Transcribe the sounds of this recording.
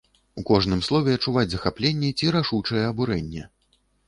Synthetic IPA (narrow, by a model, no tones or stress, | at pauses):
ukɔʐn̪ɨmslˠɔvʲɛɐt͡ʂːuvad͡zʲzɐxaplʲenʲːɛt͡sʲiɾaʂut͡ʂɐjɛɐbuɾɛnʲːɛ